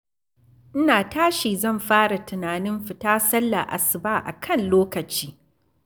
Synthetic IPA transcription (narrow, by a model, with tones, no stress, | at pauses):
ʔɪ˦naː˨taː˦ʃiː˨zɐ˦˨mɸaː˦ɽa˨tɪ˨naː˨nɪ˦mɸɪ˨taː˦sɐ˦lːa̰˨ʔa̰˨sɪ˨baː˦ʔa̰˨kʰɐ˦˨nloː˦kɐ˨t͡ʃiː˦